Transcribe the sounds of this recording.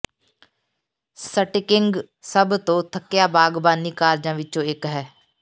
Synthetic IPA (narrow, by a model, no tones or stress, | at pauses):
səʈɪkɪ̃ŋɡ | səbt̪õːt̪ʰəkːɪjaːbaːɡbaːniːkaːɾd͡ʒãːʋɪt͡ʃõːɪkɦɛː